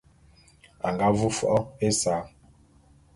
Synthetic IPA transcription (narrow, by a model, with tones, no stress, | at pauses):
a˨ŋɡa˦vu˦fɔ˦ʔɔ˦e˦saː˨˦